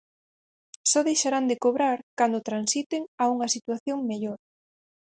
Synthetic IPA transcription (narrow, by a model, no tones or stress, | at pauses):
sɔðejʃaɾand̪ɪkoβɾaɾkand̪ot̪ɾansit̪ɪŋauŋɐsit̪waθjoŋmeʎoɾ